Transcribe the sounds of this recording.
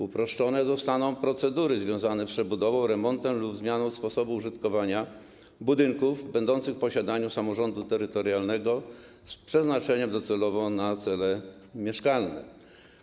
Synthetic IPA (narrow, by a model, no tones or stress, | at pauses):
upɾɔʂt͡ʂɔnɛzɔst̪anɔ̃w̃pɾɔt̪sɛd̪uɾɘzvʲjɔ̃w̃zanɛpʂɛbud̪ɔvɔ̃w̃ɾɛmɔnt̪ɛmlubzmʲjanɔ̃w̃spɔsɔbuuʐɘt̪kɔvaɲa | bud̪ɘŋkuvbɛnd̪ɔnt̪sɘxfpɔɕad̪aɲusamɔʐɔnd̪ut̪ɛɾɘt̪ɔɾjalnɛɡɔ | spʂɛznat͡ʂɛɲɛmd̪ɔt̪sɛlɔvɔ̃nat̪sɛlɛmʲjɛʂkalnɛ̰